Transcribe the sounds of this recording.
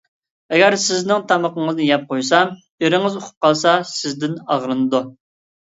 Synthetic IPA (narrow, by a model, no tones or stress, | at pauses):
ɛɡʲæɾsɪznɪŋt̪ʰɑməqəŋɨznɨjɛp̚qʰojsɑm | eɾɪŋɨzoqʰʊ̥p̚qʰɑlˠsɑsɪzd̪ɪnɑʁɾɨnɨd̪u